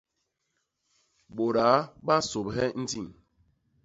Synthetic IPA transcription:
ɓo˨ɾa˨˦ɓa˦so˨bɦɛ˦n̩˦di˦˨ŋ

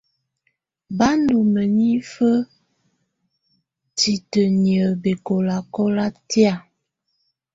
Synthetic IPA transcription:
ba˦ndu˨mə˨ni˦fə˦ | ti˨tə˨njə˨be˨ko˨la˨kɔ˦la˦tja˦˨

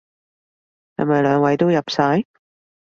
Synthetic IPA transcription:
jɐ̰˨˥mɐ˨˩jlœː˨˧ŋwɐ˨˧jt̪o˥wjɐ˨p̚saː˨˥j

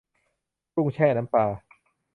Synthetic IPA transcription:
ɾu˥˩ŋt͡ɕʰɛː˥˩na˦˥mpaː˧

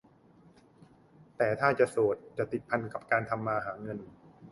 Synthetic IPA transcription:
t̪ɛː˨˩t̪ʰaː˥˩t͡ɕa˨˩soː˨˩t̪̚t͡ɕa˨˩t̪i˨˩t̪̚pʰa˧nka˨˩p̚kaː˧nt̪ʰa˧mːaː˧ɦaː˩˦ŋɤ˧n

